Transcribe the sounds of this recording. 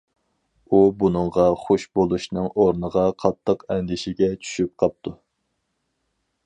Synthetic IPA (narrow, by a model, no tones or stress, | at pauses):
ubunɨŋʁɑχoʃbolˠuʃnɨŋoɾnəʁɑqʰɑt̪ʰːəqɛnd̪ɪʃɪɡʲɛt͡ʃʰy̥ʃyp̚qʰɑp̚t̪ʰu